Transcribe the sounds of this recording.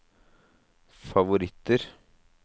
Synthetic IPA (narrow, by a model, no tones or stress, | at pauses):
fɑʋʊɾɪt̪ːəɾ